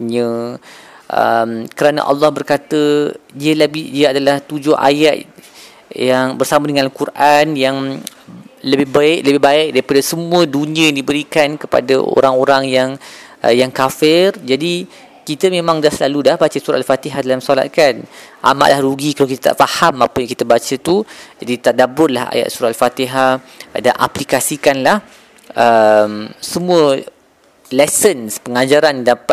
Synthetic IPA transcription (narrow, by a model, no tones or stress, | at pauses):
ɲə̃ | ʔə̰mkəɾanə̰ʔɑ̰lːɑhbərkat̪ədiəlabɪdiəadalaht̪ud͡ʒʊhʔa̰jat̪ | jaŋbərsamadəŋãnkurʔanjaŋ | ləbɪhbaɪk̚ləbɪhbaɪk̚daɾipadəsəmũə̃duniə̃jaŋdibəɾikankəpa̰dəʔo̰ɾaŋoɾaŋjaŋjaŋkafɪrd͡ʒadi | kit̪əmẽmãŋdasəlaludahbat͡ʃəsuɾaʔalfat̪iɦadalamsola̰t̪̚kanʔa̰ma̰ʔlʔahɾuɡikalawkit̪at̪a̰ʔfahamapəjãŋkit̪əbat͡ʃət̪ud͡ʒadit̪adabʊrlaha̰ja̰ʔ̪̚suɾaalfat̪iɦa | danʔa̰plikasikanlah | əmsəmũə | lɛsənspəŋad͡ʒaɾandapa